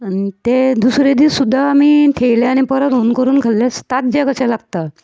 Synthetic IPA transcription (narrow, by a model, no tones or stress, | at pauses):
aniit̪ed̪usɾed̪iːsud̪ʱːaːmiːt̪ʰejlaañipəɾət̪ɦonkəɾuːnkalːast̪at̪̚d͡ʑakəɕalaɡt̪a